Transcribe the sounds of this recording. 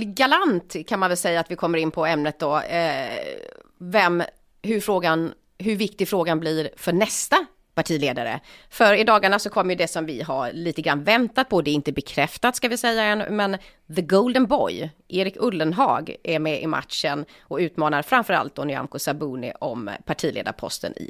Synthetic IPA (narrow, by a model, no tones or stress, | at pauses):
ɡalant̪kʰanmanvɛlsɛjːaːt̪vɪkʰɔmːəɾɪnpʰɔɛmnət̪̚d̪ɔ | vɛm | ɦɵɾfɾoːɡan | ɦɵɾvɪk̚t̪ɪɡfɾoːɡanblɪɾfœɳɛst̪a | paʈʰiːleːd̪aɾə̰fœɾɪd̪ɑːɡaɳasɔkʰɔmːɾjɵd̪ɛsɔmvɪɦaɾliːt̪əɡɾanvɛnt̪at̪̚pʰɔd̪ɛːɾɪnt̪əbɛkʰɾɛft̪at̪skavɪsɛjːaɛnmɛn | ðəɡowld̪ənbɔ̰jʔeːɾɪkɵlːənɦɑ̰ːɡʔɛɾmɛʔɪma̰t̪ʂən | ɔʉ̟ːt̪mɑːnaɾfɾamfœɾa̰lt̪̚d̪ɔnʏa̰nkʊsabuːnɪ̰ʔɔ̰mpʰaʈʰiːlḛːd̪a̰ɾpʰɔ̰st̪ʰə̰nɪ̰